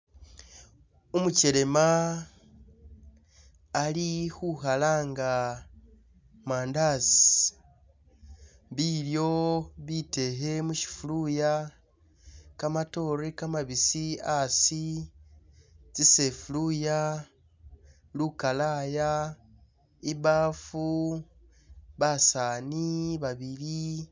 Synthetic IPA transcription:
umuceɾe̞ma | lihuhalaːŋɡa | maːndasi | βiljo̞βite̞ɦe̞muʃi̥fuluja | kamato̞ːɾekamaβisiasi | t͡sisefuluja | lukalaːja | iβaːfu | βasaːniβaβiɾi

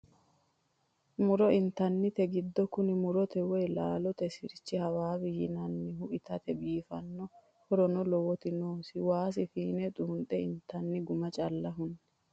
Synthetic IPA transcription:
mʊɾɔʔɪnt̪ːɐnːɪt̪ɛɡɪd̪ːɔkʊnɪmʊɾɔt̪ɛwɔjlaːlɔt̪ɛsɪɾt͡ʃːɪhɐwaːbɪjɪnɐnːɪɦʊʔɪt̪ɐt̪ɛbiːfɐnːɔ | hɔɾɔnɔlɔwɔt̪ɪnoːsɪwaːs̬ɪfiːnɛt̪ʼuːnt̪ʼɛɪnt̪ɐnːɪɡʊmɐt͡ʃʼɐlːɐɦʊnːɛ̥

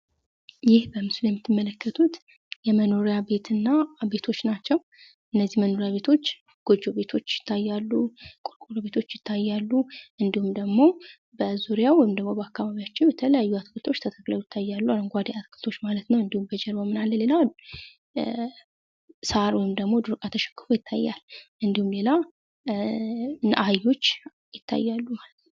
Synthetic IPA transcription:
jɪhbəmɨsuljɛmːɨt̪ʰːɨmːələkːət̪ʰut̪ | jɛməno̞ɾjabe̞t̪ɨnːabe̞t̪ʰo̞t͡ʃːnat͡ʃːɛw | ʔɨnːəzːihməno̞ɾjaβe̞t̪ʰo̞t͡ʃː | ɡ̥o̞d͡ʒo̞βe̞t̪ʰo̞t͡ʃːjɪt̪ʰːajːalːukʼuɾkʼuɾβe̞t̪ʰo̞t͡ʃːjɪt̪ʰːajːalːuʔɨnd̪ihumd̪əɡmo̞ | bəzuɾjawɔjɪmd̪əɡmo̞bəakːaβaβijat͡ʃːɪnbɛt̪ʰələjajːuat̪kʰɨlt̪ʰo̞t͡ʃːt̪ʰət̪ʰəkʼləwjɪt̪ʰːajːalːualəŋɡʷad̪iat̪kʰɨlt̪ʰo̞t͡ʃːmalət̪nəwɨnd̪ihumbəd͡ʒɛɾbamːɨnalːəle̞la | səaɾwɔjɪmd̪əɡmo̞d̪ɨɾkʼat̪ʰəʃɛ̥kːɨ̥fojɪt̪ʰːajːa̰lʔɨnd̪ihumle̞la | ʔajːo̞t͡ʃː | jɪt̪ʰːa̰jːalːumalət̪nəw

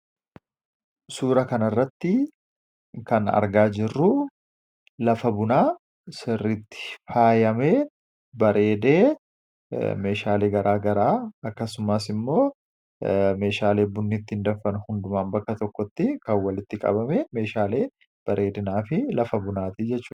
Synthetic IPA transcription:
suːɾɐkɐnɐrːɐt̪ːɪ | kɐnɐ̰ɾɡaːd͡ʒɪrːʊ | lɐfɐbʊnaː | sɪrːɪt̪ːɪ̥faːjɐme | bɐɾe̞ːd̪eː | me̞ːʃaːle̞ːɡɐɾʔaːɡɐɾaːɐkːɐsʊmɐsɪmːo̞ː | me̞ːʃaːle̞ːbʊnːɪt̪ːɪɪnd̪ɐfːɐnhʊnd̪ʊmaːnbɐkːɐt̪ɔkːɔt̪ːɪkɐwːɐlɪt̪ːɪkʼɐ̰bɐmɛme̞ːʃaːle̞ː | b̥ɐɾe̞ːd̪ɪnaːfɪlɐfɐbʊnaːt̪ɪd͡ʒɛt͡ʃːuː

